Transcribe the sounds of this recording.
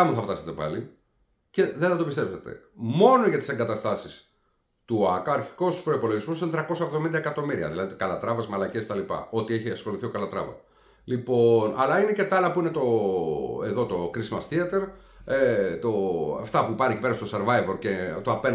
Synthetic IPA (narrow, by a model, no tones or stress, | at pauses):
ɐmuθɐft̪ɐset̪epɐ̰li | ce̞ðeθɐt̪o̞pist̪e̞pset̪ḛmo̞no̞ʝɐt̪iseŋɡɐt̪ɐst̪ɐsis | t̪uɐkɐɾçi̥ko̞spɾo̞ipo̞lo̞ʝizmosinet̪ɾɐko̞sɐevðo̞mind̪ɐekɐt̪o̞miɾiɐ̰ðilɐðikɐlɐt̪ɾɐvɐzmɐlɐcest̪ɐlipɐ̰o̞t̪ieçiɐsxo̞luθio̞kɐlɐt̪ɾɐ̰vɐ̰ | lipo̞nɐlɐine̞cet̪ɐɐlɐpuine̞t̪o̞ | eðo̞t̪o̞kɾizmɐsθiɐt̪e̞ɾet̪oɐ̰ft̪ɐpupɐnecipe̞ɾɐst̪o̞seɾvɐjvoɾce̞t̪oɐpe